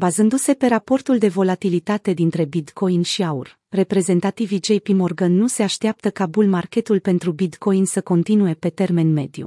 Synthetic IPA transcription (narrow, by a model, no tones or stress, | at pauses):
bazɨnd̪use̞pe̞ɾapo̞rt̪uld̪e̞vo̞lat̪ilit̪at̪e̞d̪int̪ɾe̞bid̪ko̞jnʃiaur | re̞pɾe̞ze̞nt̪at̪ivid͡ʒe̞jpimo̞rɡənːuse̞aʃt̪eap̚t̪əkabulmarkʲe̞t̪ulpe̞nt̪ɾubid̪ko̞jnsəko̞nt̪inuje̞pe̞t̪e̞rme̞nme̞d̪jṵ